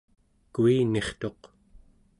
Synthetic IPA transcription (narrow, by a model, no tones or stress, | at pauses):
kuine̞χt̪o̞q